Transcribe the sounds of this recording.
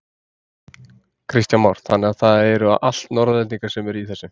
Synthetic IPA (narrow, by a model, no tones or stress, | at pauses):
kʰɾist̪janmɔwɾ̥θanːɪɣaðθaðɛɾʏa̰ðʔa̰l̥t̪nɔɾðalɛt̪niŋkaɾ̥sɛmɛɾiθɛsːʏ